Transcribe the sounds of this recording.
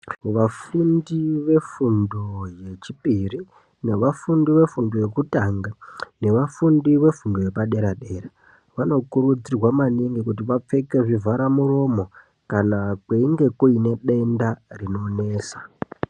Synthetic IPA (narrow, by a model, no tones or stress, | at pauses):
ʋafundiʋe̞fundoje̞t͡ʃipiri | ne̞ʋafundiʋe̞fundoje̞kutaŋɡane̞ʋafundiʋe̞fundoje̞paɗe̞ɾaɗe̞ɾa | ʋano̞kuɾud͡zirwamaniŋɡikut̬iʋap͡fe̞ke̞ʐivʱaɾamuro̞mo̞ | kanakweiŋɡe̞kuine̞ɗe̞ndarino̞ːne̞ːsa